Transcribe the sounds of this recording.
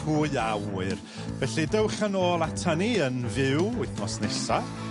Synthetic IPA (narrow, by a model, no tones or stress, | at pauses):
huːjawɨr | vɛɬɨdəwχanoːlˠatʰəniənvɪwʊɨθmɔsnɛsa